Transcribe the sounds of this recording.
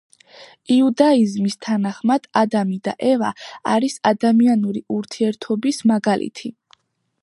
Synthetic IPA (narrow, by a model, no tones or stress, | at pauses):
iud̪aizmist̪ʰanaχmad̪̥ad̪amid̪aʔɛvaːɾisad̪amianuɾiʔuɾt̪ʰiɛɾt̪ʰɔbismaɡalʔḭt̪ʰi